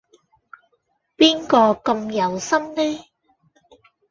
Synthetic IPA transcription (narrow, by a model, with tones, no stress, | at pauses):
piː˥nkɔː˧kɐ˧mjɐ˨˩wsɐ˥mlɛː˥